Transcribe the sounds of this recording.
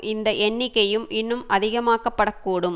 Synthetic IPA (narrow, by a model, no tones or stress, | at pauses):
ɪnd̪ɐʔɛɳːɪkːɐjɯmɪnːɯmʔɐðɪɣɐmaːkɐpːɐɽɐkːuːɽɯm